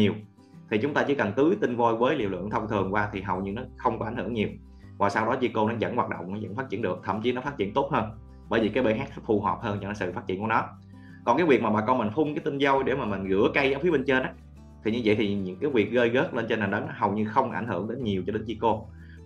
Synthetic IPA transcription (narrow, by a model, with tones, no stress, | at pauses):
ɲi˨˩əw | t̪ʰi˨˩t͡ɕʊ˨˦ŋ͡mt̪aː˧t͡ɕḭ˧˩kə˨˩ŋt̪ɨ˨˦jt̪ï˧ŋvo˧jvəː˨˦jlḭ˧˨əlwɨ̰˧˨əŋt̪ʰə˧wŋ͡mt̪ʰɨ˨˩əŋkwaː˧t̪ʰi˨˩ɦə˨˩wɲɨ˧nɔ˨˦xə˧wŋ͡mkɔ˨˦a˧˩ŋhɨ̰˧˩əŋɲi˨˩əw | vaː˨˩saː˧wɗɔ˨˦zi˧ko˧nɔ˨˦zə̰˧˥nwaː˨˩t̚ɗo̰˧˨wŋ͡mnɔ˨˦zə̰˧˥nfaː˦˥t̚t͡ɕḭ˧˨ənɗɨ˨˩ək̚t̪ʰə̰˧˩˨mt͡ɕi˨˦nɔ˨˦fa˦˥t͡ɕḭ˧˨ənt̪o˦˥t̚həː˧n | ɓəː˧˩jvi˨˩kaː˨˦jɓe˧nɦa˦˥k̚xə˦˥fu˧˩ɦə˨˩p̚həː˧nt͡ɕɔ˧nɔ˨˦sɨ̰˧˨faː˦˥t̚t͡ɕḭ˧˨əku˧˩ənɔ˨˦ | kɔ˨˩nkaː˨˦jvi˨˩ək̚maː˨˩ɓaː˨˩kɔ˧ma˨˩nfʊ˧ŋ͡mkaː˨˦jt̪i˧nzə˧wjɗe˧˩maː˨˩ma˨˩nɣɨ̰˧˥əka˧jzaː˨˦wfi˨˦əɓe˧nt͡ɕe˧nʔa˨˦ | t̪ʰi˨˩ɲɨ˧və̰˧˨jt̪ʰi˨˩ɲɨ̰˧˥ŋkaː˨˦jvi˨˩ək̚ɣə˧jɣə˦˥t̚le˧nt͡ɕe˧nːaː˨˩ɗə˨˦n˨˦ɦə˨˩wɲɨ˧xə˧wŋ͡mʔa˧˩jŋ̟hɨ̰˧˩əŋɗe˨˦nɲi˨˩əwt͡ɕɔ˧ɗe˨˦nzi˧ko˧